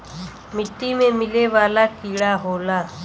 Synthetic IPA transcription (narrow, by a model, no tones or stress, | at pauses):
mɪʈːiːmẽːmɪleːʋaːlaːkiːɭaːɦoːlaː